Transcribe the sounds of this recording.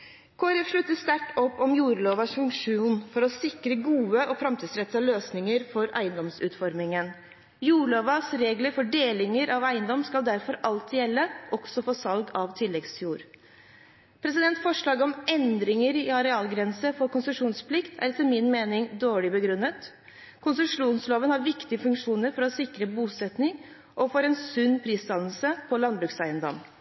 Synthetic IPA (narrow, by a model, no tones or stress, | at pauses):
kʰoːæɾɛfʂɭʉt̪ːəst̪æʈːɔpːɔmjuːɾɭoːʋɑsfʉŋkʂuːnfɔɾɔsɪkɾəɡuːəʔɔfɾɑmt̪iːd̪sɾɛt̪sɑløːsnɪŋəɾfɔɾæ̰ɪənd̪ɔmsʉ̰ːt̪fɔɾmɪŋən | juːɭoːʋɑsɾeːɡləɾfɔɖeːlɪŋəɾʔɑʋæɪənd̪ɔmskɑld̪æɾfɔɾɑlt̪jɛlːəʔɔɡ̥sɔfoːsɑlɡɑʋt̪ʰɪlːɛɡsjuːɾ | pʰɾɛs̬ɪd̪ɛnt̪fɔʂɭɑːɡəɔmɛnd̪ɾɪŋəɾɪɑɾɛɑːlɡɾɛnsəfɔɾkʊnsəʂuːnspʰlɪkt̪ʰæ̰ɾt̪ʰɪlmɪnmeːnɪŋd̪oːɭɪbəɡɾʉnːət̪ | kʰʊnsʉmʂuːnsloːʋənhɑɾʋɪkt̪ɪəfʉŋkʂuːnəɾfɔɾɔsɪkɾəbuːsɛt̪nɪŋ | ʔɔfɔɾɛnsʉnːpʰɾiːst̪ɑnəl̩səpʰɔlɑnbɾʉksæɪənd̪ɔ̰mː